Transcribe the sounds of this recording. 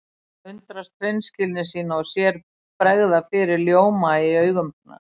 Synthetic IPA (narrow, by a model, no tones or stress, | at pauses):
ʏnt̪ɾast̪ɾejnscɪlnɪsiːnaɔsjɛɾ | pɾɛɣðafɪːɾɪɾljoːwmajɪœːɥɣʏmp̚na̰